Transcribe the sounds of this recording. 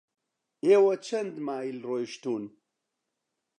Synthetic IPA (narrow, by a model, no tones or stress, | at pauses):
eːwɐt͡ʃʰɐnd̪maːilroːjʃt̪uːn